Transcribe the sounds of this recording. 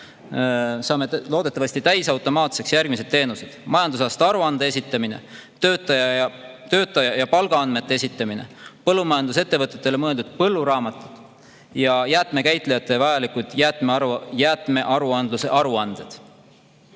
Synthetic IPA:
sɑːme̞lo̞ːd̪e̞t̪ːˑɑvɑsʲt̪it̪æjsɑwt̪ːˑo̞mɑːt̪se̞ksjærɡ̥mis̬e̞d̪̥̚t̪ːe̞ːnused̪̥mɑjɑnd̪us̬ɑst̪eɑɾuɑnd̪ees̬ʲit̪ːˑɑmine̞̰ | t̪øːt̪ːˑɑjɑɑt̪ø̞ːt̪ːˑɑjɑjɑpɑlɡ̥ɑɑnme̞t̪ːeesit̪ːˑɑmine̞̰pɤlːumɑjɑnd̪us̬e̞t̪ːe̞vɤt̪ːˑe̞t̪ːˑele̞mɤ̞e̞ld̪ud̪̥̚pɤ̞lːuɾɑːmɑt̪ːˑud̪̥ˑ | jɑjæt̪ˑme̞kæjt̪ˑlejɑt̪ˑːe̞vɑjɑlikud̪̥jæt̪mejæt̪me̞ʔɑɾuɑnd̪luse̞ʔɑɾuɑnd̪̥e̞d̪̥

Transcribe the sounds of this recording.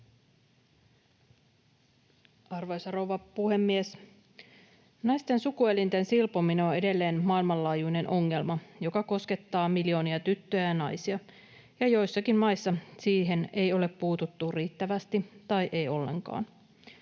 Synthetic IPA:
ɑrʋojsɑrowʋɑpuhe̞mːies | nɑjst̪e̞nsukue̞lint̪ensilpomineo̞ne̞de̞lːe̞ːnmɑːilmɑlːɑːjujne̞nʔo̞ŋːe̞lmɑjo̞kɑko̞ske̞t̪ːɑːmilijo̞ːniɑt̪yt̪ːøjæjɑnɑjsiɑ | jɑjo̞jsːɑkimmɑjsːɑsiːɦe̞ne̞jo̞le̞pːuːt̪ut̪ːuriːt̪ːæʋæst̪it̪ɑjʔe̞jo̞lːe̞̰ŋkɑ̰ːn

